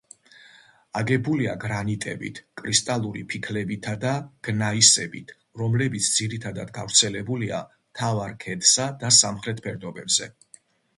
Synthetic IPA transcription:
aɡɛbuliaɡɾanit̪ʼɛbḭt̪ʰkʼɾist̪ʼalˠuɾipʰikʰlɛbit̪ʰad̪aɡ̥naisɛbit̪ʰ | ɾɔmlɛbit̪sʰd̪ziɾit̪ʰad̪ad̪ɡavɾt̪sʰɛlɛbulia̰ | mt̪ʰavaɾkʰɛd̪sad̪asamχɾɛt̪ʰpʰɛɾd̪ɔbɛbzɛ

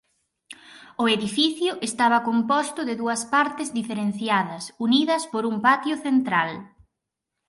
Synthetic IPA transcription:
ʊeðifiθjʊʔest̪aβɐkompɔst̪ʊðɪðuɐspaɾt̪ɪzðifeɾen̟θjaðɐsuniðɐspoɾumpat̪jʊθent̪ɾal

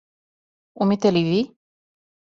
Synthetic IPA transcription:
umit̪elivi

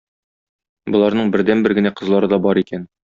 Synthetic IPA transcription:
bŏlˠɑɾnɤɴbɘ̆ɾd̪ænbɘɾɡɘ̆næqɤ̆zlˠɑɾɤd̪ɒbɒɾikæn

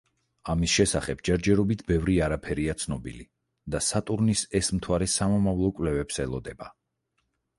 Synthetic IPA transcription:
amisʃɛsaχɛbd͡ʒɛɾd͡ʒɛɾɔbit̪ʰbɛvɾiaɾapʰɛɾiat̪sʰnɔbḭli | d̪̥asat̪ʼuɾnisɛsmt̪ʰwaɾɛsamɔmavlˠɔkʼwvlɛvɛpsɛlˠɔd̪ɛba

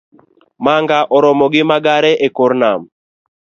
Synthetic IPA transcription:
maŋɡaʔɔɾɔmɔɡɪmaɡaɾɛʔekoɾnam

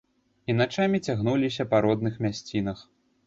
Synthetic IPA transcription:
inat͡ʂamʲit͡sʲaɣnulʲisʲɐpɐɾɔd̪nɨxmʲasʲt͡sʲinɐx

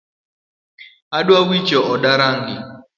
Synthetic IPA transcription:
aɗwawi̥d͡ʒɔʔɔɗaɾaŋɡi

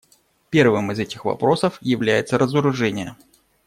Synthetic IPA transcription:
pʲe̞rvɨmɨzɛtʲɪxvɐ̰pɾo̞səfjɪvlʲæjɪt̪səɾəzəɾʊʐɛnʲɪjə

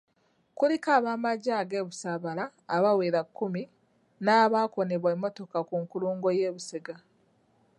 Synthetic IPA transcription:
kulikaːβaːmaɟaːɡe̞ːβusaːβalaːβaweɾakːumi | naːβaːko̞ne̞βwemːo̞to̞kakuŋkuluːŋɡo̞je̞ːβuseɡa

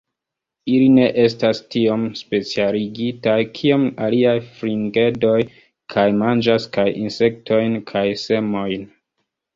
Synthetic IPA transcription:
iline̞ʔe̞s̬tastio̞mspe̞t͡sialiɡitajkʰio̞maliajfɾiŋɡe̞do̞j | kʰajmand͡ʒaskajḭnse̞k̚tʰo̞jnkʰajse̞mo̞jn

